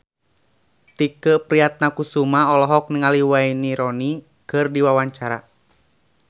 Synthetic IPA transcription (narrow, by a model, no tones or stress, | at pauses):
t̪ikəpɾiat̪̚nakusumaɔlɔɦɔk̚niŋaliwainiɾɔni | kɨrdiwawaɲt͡ʃaɾa̰